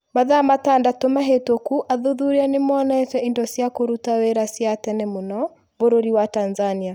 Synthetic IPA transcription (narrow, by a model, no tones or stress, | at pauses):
maðamatandatomaɦetokuʔaðoðuɾeanemɔnaetɛʔindɔsjakoɾutaweɾasjatɛnɛmonɔ | boɾoɾiwatanzania